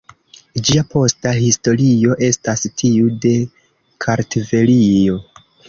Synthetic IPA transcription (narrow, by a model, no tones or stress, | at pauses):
d͡ʒiapo̞staɦisto̞ɾio̞ʔe̞stastʰiude̞ | kʰaɾtʰive̞lio̞